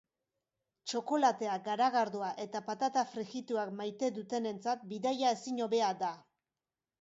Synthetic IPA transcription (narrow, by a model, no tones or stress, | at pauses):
t͡ʃo̞ko̞lat̪e̞aɡaɾaɣaɾðuaʔe̞t̪apat̪at̪afɾiɣit̪uakmajt̪e̞ðut̪e̞ne̞nt͡sat̪̚biðajae̞siɲo̞βe̞ad̪a